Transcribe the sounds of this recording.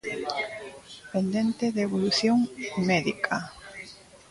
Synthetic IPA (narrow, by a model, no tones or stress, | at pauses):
pend̪ent̪eðeβoluθjoŋmeðikʰa